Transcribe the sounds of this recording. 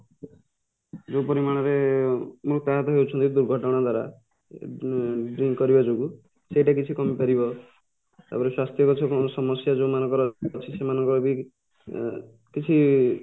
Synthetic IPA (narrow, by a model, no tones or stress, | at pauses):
d͡ʒopɔɾimaɽ̃ɔɾemuɾt̪aɦat̪ɔɦewt͡ʃʰɔnt̪id̪uɾɡʱɔʈɔɽ̃ad̪ʱwaɾa̰ | ɖɾiŋkːɔɾibɔd͡ʒuɡu | seʈakit͡ʃʰikɔmipaɾibɔ | t̪a̰pɔɾeswast̪jɔkɔt͡ʃʰɔkɔnɔsɔmɔsjad͡ʒomanɔ̃ŋkɔɾɔt͡ʃʰisemanɔŋkɔɾɔbi | kit͡ʃʰi